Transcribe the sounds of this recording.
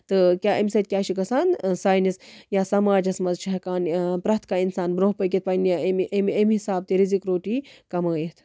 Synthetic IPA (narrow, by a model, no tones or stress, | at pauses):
t̪ɨkʲaːʔɐmsɐt̪̚kʲaːʃikɐsaːnsaːjnisjaːsɐmaːd͡ʒɐsmɐzt͡ʃʰɐɦɐkaːnpɾaːt̪ʰkaːinsaːnbɾoːɦpək̬ʲit̪̚pɐnjmememɦisaːb̚t̪iɾizikɾoːʈiːkɐmɐːjit̪ʰ